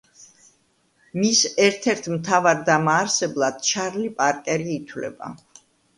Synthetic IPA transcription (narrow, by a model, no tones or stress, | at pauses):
misɛɾt̪ʰɛɾt̪ʰmt̪ʰavaɾd̪amaːɾsɛblˠad̪̥ʃʰaɾlipʼaɾkʼɛɾiːt̪ʰwlɛ̰ba̰